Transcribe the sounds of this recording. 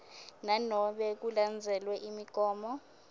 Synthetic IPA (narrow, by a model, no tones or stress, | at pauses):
nanɔɓɛk̬uland͡zʱɛlwɛʔimiɡ̥ʱɔːmɔ